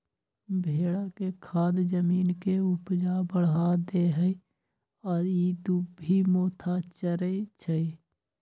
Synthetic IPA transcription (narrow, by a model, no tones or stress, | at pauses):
bʱeːɽakekʰaːd̪d͡ʒəmiːnkeʊpd͡ʒabəɽɦad̪eɦəi | ɔːɾiːd̪ubʱimoːt̪ʰat͡ʃəɾet͡ʃʰəi